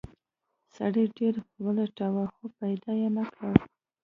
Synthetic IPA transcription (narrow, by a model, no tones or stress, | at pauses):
sa̰ɽeɖeɾwəleʈawaxopajd̪ɑjenakɽaw